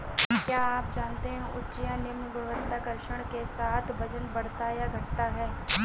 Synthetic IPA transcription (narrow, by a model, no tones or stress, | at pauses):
kjaːaːpd͡ʒaːnt̪eɦɛ̃ʔʊtːt͡ʃijãnemɡɐʋənt̪akɐɾʃəɽ̃kesaːt̪ʰbɐd͡ʒənbɐɽ̤t̪ajaɡʱɐʈt̪aɦɛː